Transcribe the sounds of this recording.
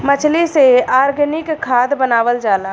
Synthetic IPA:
mət͡ʃʰliseaːɾɡnɪkkʰːaːd̪bənaːʋəld͡ʒaːlaː

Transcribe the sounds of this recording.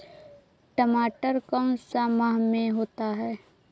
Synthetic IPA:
ʈəmaːʈəɾkəʊ̃samaɦmẽɦoːt̪aɦɛː

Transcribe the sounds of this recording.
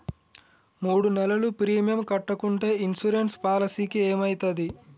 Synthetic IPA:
muːɽunɛlɐlupɾiːmijɐmkɐʈːɐkuɳʈe̞ːinsuɾenspaːlɐsiːkieːmɐjt̪ɐd̪i

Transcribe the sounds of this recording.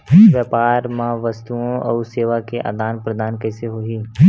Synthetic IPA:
ʋjəːpaːɾmãʋəst̪uõɔːseːʋakeʔa̰ːd̪aːnpɾəd̪aːnkɛːseɦoɦiː

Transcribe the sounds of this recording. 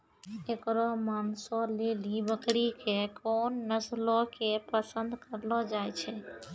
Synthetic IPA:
ekɾɔmansɔlelibəkɽikekonːəslɔkepəsənd̪ʱkəɾlɔd͡ʒajt͡ʃʰɛ

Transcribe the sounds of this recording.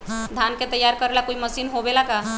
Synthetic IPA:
d̪ʱanket̪əjːaɾkəɾelakoiməsiːnɦobelaka

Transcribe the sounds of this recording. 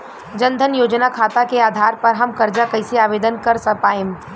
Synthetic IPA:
d͡ʒɐ̃nd̪ʱənjoːd͡ʒnakʰaːt̪akeaːd̪ʱaːɾpɐɾɦɐmkɐɾd͡ʒakɐɪseaːʋeːd̪ənkɐɾsɐpaːẽm

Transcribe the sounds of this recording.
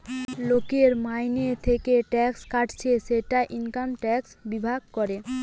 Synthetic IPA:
lokeɾmajnet̪ʰekeʈɛkskaʈʰt͡ɕʰeʃeʈaʔiŋkamʈɛksbibʱaɡ̚kɔɾe

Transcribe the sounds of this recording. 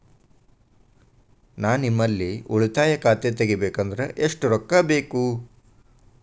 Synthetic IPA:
naːnimːɐlːiuɭit̪aːjɐkaːt̪et̪eɡibeːkɐnd̪ɐɾeʔeʂʈuɾɔkːɐbe̞ːku

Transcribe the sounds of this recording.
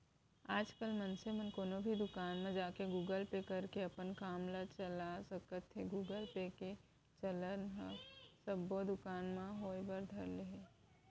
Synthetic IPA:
aːd͡ʒkəlmɐnsemənkoːnobʱid̪ʊkaːnmẽd͡ʒaːkeɡuːɡəlpekɐɾkeɐpənkaːmlat͡ʃəlasəkət̪ʰːeɡuːɡəlpeke | t͡ʃələnɦəsɐbːod̪ʊkaːnmãɦoːebəɾd̪ʱəɾleɦe

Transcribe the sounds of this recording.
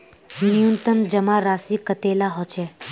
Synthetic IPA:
nijunt̪əmd͡ʒəmaɾasikət̪elaɦot͡ʃʰe

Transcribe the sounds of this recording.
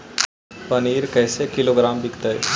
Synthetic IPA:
pɐniːɾkɛːsekɪloɡɾaːmbɪkt̪aɦɛː

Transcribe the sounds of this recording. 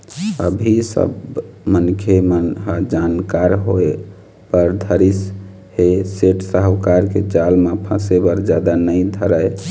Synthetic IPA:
ə̰bʱisə̰bmənkʰemənɦd͡ʒankaɾɦoe | pəɾd̪ʱəɾis | heseʈsəɦwkaɾked͡ʒalmapʰə̃sebəɾd͡ʒad̪anəjd̪ʱəɾəj

